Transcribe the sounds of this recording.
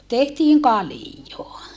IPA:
tehtiːŋ kɑlijoɑ

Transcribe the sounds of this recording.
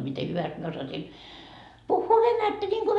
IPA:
mite hyʋæst mie osɑsin puhːuː ʋenætːæ nʲiŋɡ̊o

